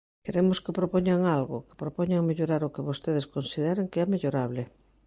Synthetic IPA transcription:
keɾemoskɪpɾopoɲaŋalɣʊ̰kɪ̥pɾopoɲaŋmeʎoɾaɾʊkɪβost̪eð̞eskonsiðeɾaŋkeɛmeʎoɾaβlɪ

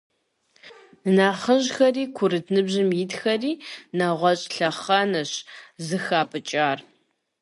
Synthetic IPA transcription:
nɨnaːχəʒxɐriːkʷʰʊɾɨtʰnɨbʑɪmjɪtxɐriːnaʁʷɔɕʼɬɐχɐnɐɕzɨxaːpʰɨt͡ʃʼaːr

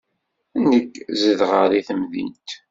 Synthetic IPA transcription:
ənːəkːzəðʁəɾiθəmðḭnt̪

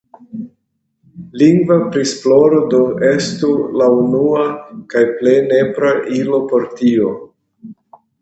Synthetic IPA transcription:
liŋɡvapɾisplo̞ɾodoe̞stulaunuakajple̞jne̞pɾaʔilo̞po̞ɾtio̞

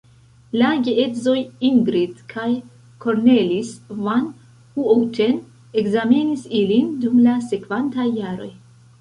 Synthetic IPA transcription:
laɡeetzo̞jiŋɡɾidkʰaj | kʰoɾnelisvan | huowtʰe̞n | ekzamenisilindumlase̞kv̥antajːaɾo̞̰j

